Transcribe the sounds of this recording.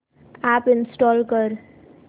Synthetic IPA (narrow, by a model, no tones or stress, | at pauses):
apɪnsʈɔːlkʌɾ